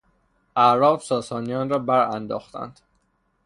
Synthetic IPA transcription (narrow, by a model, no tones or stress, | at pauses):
ʔæʔɾɒːbsɒːsɒːnijɒːnɾɒːbæɾænd̪ɒ̰ːxt̪æ̰nd̪̥